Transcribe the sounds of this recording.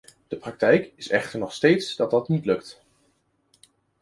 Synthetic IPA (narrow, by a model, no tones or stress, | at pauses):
d̥əprɑk̚tɛjkɪsɛ̰χtəɹnɔχstejtsd̥ɑt̚dɑtnitlɵkt